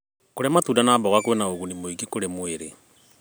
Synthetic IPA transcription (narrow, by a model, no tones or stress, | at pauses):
koɾeamatuːdanaːbɔɣakwenaoɣunimoiɡikoɾemoeɾe